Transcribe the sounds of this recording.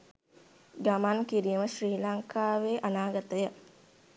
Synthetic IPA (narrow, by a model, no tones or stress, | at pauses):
ɡamankiɾijəməʃriːlaŋkaːʋeːʔanaːɡat̪əjə